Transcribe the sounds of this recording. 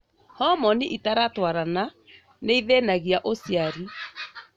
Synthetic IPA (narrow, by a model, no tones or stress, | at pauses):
hɔmɔniʔitaɾatwaɾana | neiðenaɣiaʔosjaɾi